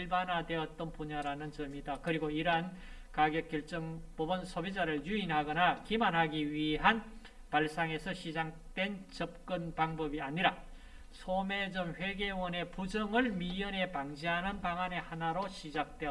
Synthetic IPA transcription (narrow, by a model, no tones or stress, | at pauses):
ɭbanadwe̞ʌt͈ʌnpuɲaɾanɯnt͡ɕʌmidakɯɾiɡoiɾɦan | kaɡjʌk͈jʌɭt͡ɕ͈ʌŋpobʌnsʰobid͡ʑaɾɯɭjuinɦaɡʌnakimanɦaɡiɥiɦan | paɭs͈aŋe̞sʰʌɕʰid͡ʑaŋ | t͈we̞nt͡ɕʌp̚k͈ɯnpaŋbʌbiaɲiɾa | sʰome̞d͡ʑʌmɸe̞ɡe̞wʌne̞pud͡ʑʌŋɯɭmiɯne̞paŋd͡ʑiɦanɯnpaŋane̞hanaɾoɕʰid͡ʑak̚t͈we̞ʌ